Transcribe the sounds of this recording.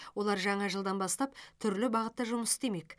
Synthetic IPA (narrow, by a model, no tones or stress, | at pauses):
wo̞lˠɑɾʒɑɴɑʒəlˠd̪ɑnbɑst̪ɑp̚t̪ʰʏɾlɪbɑʁət̪ːɑʒʊməsɪ̥st̪e̞me̞k